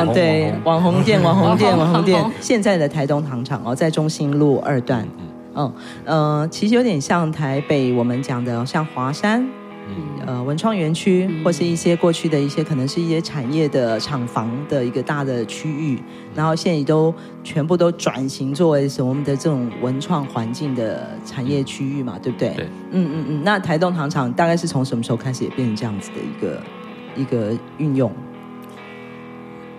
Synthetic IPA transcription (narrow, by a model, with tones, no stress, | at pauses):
t̪we˥˩ɪɪwɑ˧˦ŋxo˧˥ŋt̪jɛ˥˩nwɑ˨˥ŋxo˧˥ŋt̪̬jɛ˥˩nwɑ˨˥ŋxo˧˥ŋt̪jɛ˥˨n˧ɕjɛ˥˧nt͡sa˥˩ɪd̪ə˩t̪ʰa˧˥ɪt̪ʊ˥ŋt̪ʰɑ˧˥ŋʈ͡ʂʰɑ˨˩˦ŋɔ̰˧˩t͡sa˥˩ɪʈ͡ʂʊ˥ŋɕi˥nlu˥˧ʔə̰˞˥˧t̪wa̰˥˩n˥˩ | ə˥˧t͡ɕʰi˧˥ʂɻ̩˧jo˧˥ʊt̪jɛ˨˩nɕjɑ˥˩ŋt̪ʰa˧˥ɪpe˨˩ɪwɔ˨˩mə˦nt͡ɕjɑ˨˩ŋd̪ə˦ɕjɑ˥˩ŋxwa˧˥ʂa˥n | ə˧wə˧˥nʈ͡ʂʰwɑ˥˩ŋɥɛ˧˥nt͡ɕʰy˥xwɔ˥˩ə˩ʂɻ̩˥˧i˥˩ɕjɛ˥kwɔ˥˧t͡ɕʰy˥˩d̪ə˩i˥˩ɕjɛ˥kʰɤ˨˩nɤ˧˥ŋʂɻ̩˥˧i˥˩ɕjɛ˥ʈ͡ʂʰa˨˩njɛ˥˩d̪ə˩ʈ͡ʂʰɑ˨˩ŋfɑ˧˥ŋd̪ə˨i˧˥ɡə˧t̪a˥˩d̪ə˩t͡ɕʰy˥y˥˩ | na˧˥nxo˥˧ʊɕjɛ˥˩ni˨˩t̪o˥ʊ | t͡ɕʰɥɛ˧˥np̬u˥˩t̪o˥ʊʈ͡ʂwa̰˨˩nɕi˧˥ŋt͡swɔ˥˩we˧˥ɪʂə˧˥mɔ˧˥mə˨nd̪ə˨ʈ͡ʂɤ˥˩ʈ͡ʂʊ˨˩ŋwə˧˥nʈ͡ʂʰwɑ˥˩ŋxwa˧˦˥nt͡ɕi˥˩ŋd̪ə˩ | ʈ͡ʂʰa˨˩njɛ˥˩t͡ɕʰy˥y˥˩mɐ̰˩t̪we˥˩b̚u˥t̪e˥˩ɪ | n̩˥˧n̩˥˧˥na˥˩t̪ʰa˧˥ɪt̪ʊ˥˩ŋʈ͡ʂʰɑ˧˥ŋʈ͡ʂʰɑ˧˥ŋt̪a˥˧kɪʂɻ̩˥˩t͡sʰo˧˥ŋʂə˧˥mə˧ʂ̩ɻ̩˧xo˥˧kʰa˥ɪʂɻ̩˨˩jɛ̰˨˩pjɛ˥˩nɻə˧˥ʈ͡ʂɤ˥˧jɑ˥˩ŋd͡zɹ̩ɨ˨˩d̪ə̰˩ḭ˧˥ɡə̰˧˩ | i˧˥ɡə˧ | y˥˧njʊ˥˩ŋ